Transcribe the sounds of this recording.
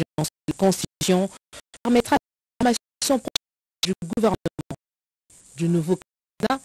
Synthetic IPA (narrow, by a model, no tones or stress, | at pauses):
ʒslkɔ̃sizjɔ̃pɛʁmɛt̪χa | ʁma | sɔ̃pχ | d̪yɡuvɛʁnm̃ | d̪ynuvok | na